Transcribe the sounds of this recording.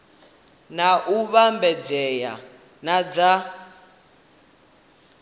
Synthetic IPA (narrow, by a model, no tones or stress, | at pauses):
naʔuβambɛd͡zɛja̰ | nad͡za